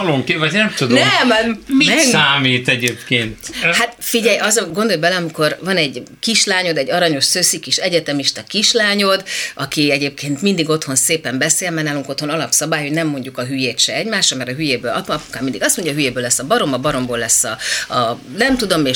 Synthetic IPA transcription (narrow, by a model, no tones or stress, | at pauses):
loŋkevɒɟnɛmt̪ud̪onɛmmimɛsaːmiːt̪ɛɟeːpkeːnt̪hat̪fiɟɛjɒzɒɡo̞nd̪o̞lbɛlɛɒmiko̞rvɒnɛɟkiʃlaːɲo̞d̪ɛɟːɒɾɒɲo̞ʃsøsikiʃɛɟɛt̪ɛmiʃt̪ɒkiʃlaːɲo̞d̪ɒkiɛɟeːp̚kʰeːnt̪mind̪iɡo̞t̪ho̞nseːpɛmbɛseːlmɛnaːluŋko̞t̪ho̞nɒlɒpsɒbaːjho̞ɟnɛmːo̞ɲɟukɒɦyjeːt̪ʃɛɛɟmaːʃɒmɛɾɒɦyjeːbøːlɒpɒpukaːmind̪iɡɒst̪moɲɟɒɦyjeːbøːlɛsːɒbɒɾo̞mɒbɒɾo̞mboːlɛsːɒɒnɛmt̪ud̪o̞meː